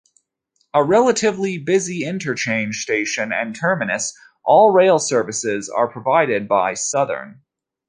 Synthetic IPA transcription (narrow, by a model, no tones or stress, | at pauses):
əɹɛlˠəɾɪvlibɪziɪ̃ntʰə˞t͡ʃʰẽɪ̃n̥ʒ̥steɪʃɨ̃nɨ̰̃ntʰɜ˞mɨnɨs | ʔɔlˠɹeɪlˠsɜ˞vɨsɪzə̰˞pʰɹ̥əvaɪɾɪd̚baɪsʌðə̰̃˞n